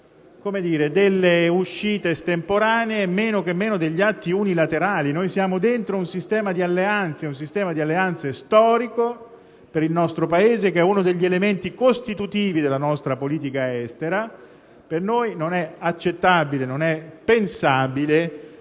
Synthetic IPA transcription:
komed̪iːɾed̪elːeuʃːiːt̪est̪empoɾaːneemeːnokemːeːnod̪eʎːat̪ːiunilat̪eɾaːlinojsjaːmod̪ent̪ɾounsist̪ɛːmad̪ialːeant̪seuns̬ist̪ɛːmad̪ialːeant̪sest̪ɔːɾiko | peɾilnɔst̪ɾopaeːzekeɛunod̪eʎːielement̪ikost̪it̪ut̪iːvid̪elanɔst̪ɾapoliːt̪̬ikaɛst̪eɾa | pernojnonɛat͡ʃːet̪ːabilenonɛpensaːbile

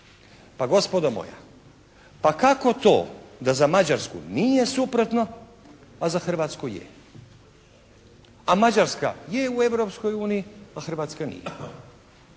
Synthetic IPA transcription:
paɡo̞spod̪omo̰ja̰ | pakako̞t̪o̞̰ːd̪azamad͡ʑaɾskṵnijesupɾo̞t̪no̞ | azaxr̩ʋaːt̪skujḛ | amad͡ʑaɾska̰jeue̞ʋɾo̞psko̞juːnijiaxr̩ʋaːt̪skanḭjḛ

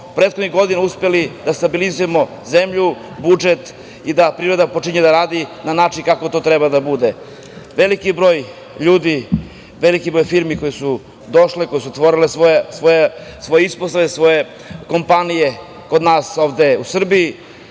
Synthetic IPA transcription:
pɾet̪xod̪niɣɡo̞d̪inauspelid̪ast̪abilizujemo̞ | zemʎu | bud͡ʒet̪ | id̪apɾiɾe̞d̪apo̞t͡ʂiɲed̪aɾaːd̪inanaːt͡ʃinkako̞t̪o̞t̪ɾebad̪abud̪e | ʋe̞likibɾo̞ːj | ʎuːd̪i | ʋe̞likibɾo̞jfiɾmiko̞jesu | d̪o̞ʃleko̞jesut̪ʋo̞ɾilesosʋojesʋo̞jeisposaʋesʋo̞je | ko̞mpanije | ko̞d̪naːso̞ːʋd̪e̞usr̩biji

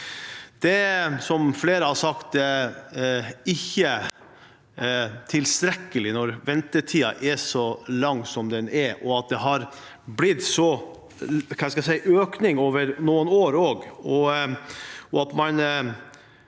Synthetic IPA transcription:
d̪̥ɛsɔmfleːɾəhɑsɑkt̪ | ɪçːə | t̪ʰɪlst̪ɾɛkːəlɪnɔɾʋɛnt̪ətʰiːɑ̰ʔɛsɔlɑŋːsɔmd̪ɛnɛɾʔɔɑt̪̚d̪ɛɦɑɾ | blɪd̪sɔ | kʰɑːæskɑsɛɪʔøːknɪŋoːʋəɾnuːənoːɾoːɡɔ | ɔɑt̪mɑn

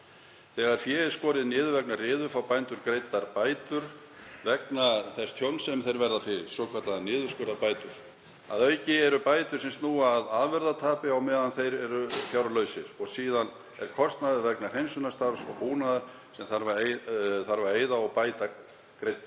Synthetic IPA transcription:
θɛːɣaɾ̥fjɛːɪskɔːɾɪðnɪːðʏvɛknarɪːðʏfawpajnt̪ʏɾkɾejt̪ːaɾpaːjt̪ʏɾ̥ | vɛknaθɛst̪ʰjownsɛmθejɾvɛɾðafɪɾɪɾ̥sowkʰvaɾt̪laðnɪːðʏskœɾðapaːjt̪ʏɾ̥ | a̰ðœɥcɪɛɾʏpaːjt̪ʏɾ̥sɛmst̪nuaðaðvɛɾðat̪ʰaːpɪawmɛːðanθejɾɛɾʏfjawɾlœɥsɪɾ̥ɔɣsiːðan | ɛɾ̥kʰɔst̪naðɪɾvɛknḁhejmsʏnast̪aɾsɔ̰ɣpuːnaðʏɾ̥ | sɛmθaɾvaɾeθaɾvaɾeːjðaɔɣpaːjt̪a | kɾejt̪na

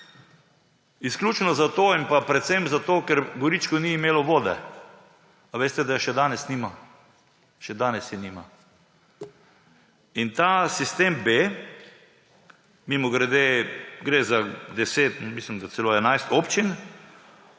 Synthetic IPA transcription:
isklʲuːt͡ʃnɔzat̪oːinpapɾɛt̪semzat̪oːkɛɾɡɔɾit͡ʃkɔniːmeːlɔʋoːd̪ɛ̰ | aʋeːst̪ɛd̪aʃɛd̪aːnɛsniːma | ʃɛd̪aːnɛsjɛnima | int̪asist̪eːmbe | mimɔɡɾɛd̪eɡɾeːzad̪ɛseːt̪miːslimd̪at̪sɛloɛnajst̪oːpt͡ʃin

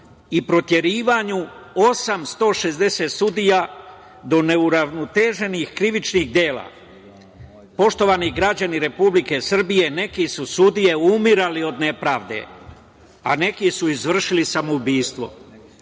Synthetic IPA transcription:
ipɾo̞t̪je̞ɾiːʋaɲu | o̞samst̪o̞ʃe̞zd̪e̞seːt̪sud̪ija | d̪o̞ne̞uɾaʋnot̪e̞ːʒe̞nixkɾiʋit͡ʃniɣd̪je̞ːla̰ː | po̞ʃt̪o̞ʋaːniɡɾad͡ʑaniɾe̞publike̞sr̩bije̞ne̞kisusud̪ije̞umiɾalio̞d̪ne̞pɾaːʋd̪e̞̰ | a̰ne̞kisuizʋr̩ʃilisamoubiːst̪ʋo̞̰

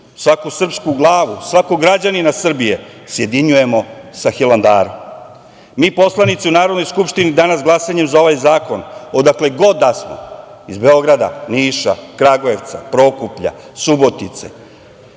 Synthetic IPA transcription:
sʋakusr̩pskuɡlˠaːʋusʋakoɡɾad͡ʑaninasr̩bije | sje̞d̪iɲuje̞mo̞saxiland̪aːɾom | miːpo̞slˠanit̪seunaːɾod̪no̞jskupʂt̪inid̪anasɡlˠasaɲe̞mzao̞ʋajzaːkonod̪akleɡo̞d̪asmo̰izbe̞o̞ɡɾad̪a̰niːʃa̰kɾaɡoe̞ʋt̪sa̰pɾo̞kupʎa̰subot̪it̪sḛ

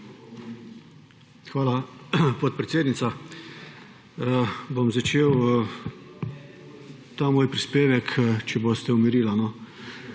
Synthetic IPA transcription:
xʋaːlapot̪̚pɾɛt̪seːd̪nit̪sa | bomzat͡ʃeːw | t̪aːmoːjpɾispeːʋɛkt͡ʃɛbost̪ɛumiɾiːlanɔ

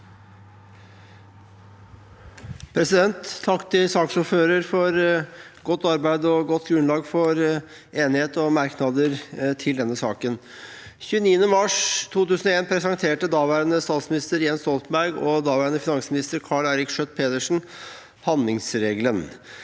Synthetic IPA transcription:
pʰɾɛsɪd̪ɛnt̪ʰːɑkːt̪ʰɪlsɑːksʊɾføːɾəɾfɔɾɡɔt̪ːɑɾbæɪd̪ɔɡɔt̪ːɡɾʉnlɑːɡfɔɾ | eːnɪheːt̪ɔmɑɾknɑd̪əɾt̪ʰɪld̪ɛnːəsɑːkən | çʉːəniːənəmɑʂt̪ʰuːt̪ʉːsən̩ɔeːnpʰɾɛsɑŋt̪ʰeːʈəd̪ɑːʋæɾənəst̪ɑːt̪smɪnɪst̪əɾjɛnst̪ɔlt̪m̩bæɾɡɔd̪ɑːʋæɾənəfɪnɑŋsmɪnɪst̪əɾkʰɑːɭæɪɾɪkʂœt̪̚pʰeːt̪əʂɳ̩ | hɑnd̪lɪŋsɾeːɡlən

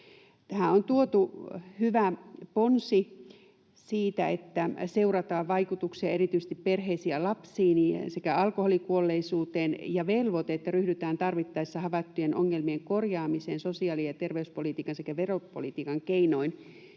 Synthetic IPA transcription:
t̪æhæont̪uot̪uhyʋæponsi | siːt̪æet̪ːæseurɑt̪ɑːʋʋɑikut̪uksiɑerit̪yis̆t̪ipperheisiælɑpsiːnisekæɑlkoholikuolːeisuːt̪eːnjɑʋelʋot̪eet̪ːæryhdyt̪æːnt̪ɑrʋit̪ːɑisːɑhɑʋɑt̪ːujenʔoŋːelmieŋkorjɑːmiseːnsosiɑːlijɑt̪erʋeyspolit̪iːkɑnsekæʋeropolit̪iːkɑŋkeinoin

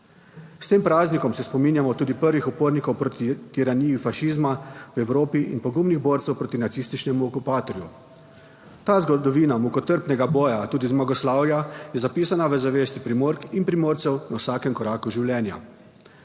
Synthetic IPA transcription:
st̪eːmpɾaːznikɔmsɛspɔmiːnjamɔt̪uːd̪ipəɾʋixɔpoːɾnikɔwpɾot̪it̪iɾaniːjifaʃiːzmawɛwɾoːpiʔḭnpɔɡumniɣboːɾt̪sɛwpɾoːt̪inat̪sist̪it͡ʃnɛmuɔkupaːt̪ɔɾju | t̪aːzɡɔd̪ɔʋiːnamukɔt̪əɾpnɛɡabɔːjat̪uːd̪izmaɡɔslaːwjajɛzapiːsanaʋəzaʋeːst̪ipɾimoːɾkinpɾimoːɾt̪sɛwnawsaːkɛmkɔɾaːkuʒiwljɛːnja̰

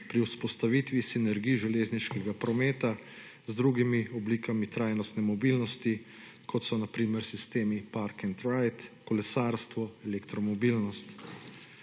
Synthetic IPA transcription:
pɾiwspɔst̪aʋit̪ʋisinɛɾɡijʒɛleːzniʃkɛɡapɾɔmeːt̪a | zd̪ɾuɡimiɔblikamit̪ɾaːjnɔst̪nɛmɔbiːlnɔst̪i | kʰɔt̪sɔnapɾiːmɛɾsist̪eːmipaɾkɛnt̪ɾajt̪kɔlɛsaːɾst̪ʋɔɛlɛkt̪ɾɔmɔbiːlnɔst̪

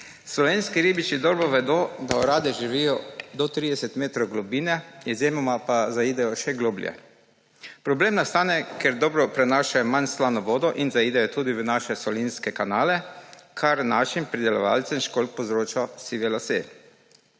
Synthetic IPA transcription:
slɔʋeːnskiɾiːbit͡ʃid̪ɔːɾbɔʋɛd̪od̪aɔɾaːd̪ɛʒiʋijɔd̪ɔt̪ɾiːd̪ɛsɛt̪meːt̪ɾɔwɡlɔbiːnɛjɛzemɔmapazaid̪ɛjɔʃɛɡloːbljɛ̰ | pɾɔbleːmnast̪aːnɛkɛɾd̪ɔːbɾɔpɾɛnaːʃajɔmanslaːnɔʋɔːd̪ɔʔinzaid̪ɛjɔt̪uːd̪iʋənaːʃɛsɔlinskɛkanaːlɛkʰaɾnaːʃimpɾid̪ɛlɔʋalt̪sɛmʃkolk̚pɔzɾoːt͡ʃasiʋɛlasḛ

